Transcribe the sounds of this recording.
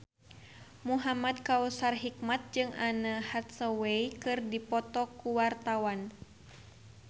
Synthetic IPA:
muɦamad̪̚kausarɦik̚mat̪̚d͡ʒɨŋanahat̪̚səweikɨrdipɔt̪ɔkuwart̪awan

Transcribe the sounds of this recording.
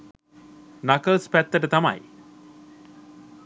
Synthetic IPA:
nakəlspæt̪ːəʈət̪ama̰j

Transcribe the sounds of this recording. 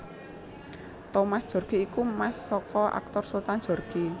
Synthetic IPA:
t̪omasd̥ʒ̥ɔ̤rɡ̥iikumasːɔkɔʔa̰k̚t̪ɔrsult̪an̥ʒ̥ɔ̤rɡ̥i

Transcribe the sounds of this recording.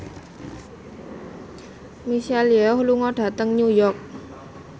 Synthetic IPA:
misalieɔhluŋɔɖ̥ä̤t̪əŋɲujɔk̚

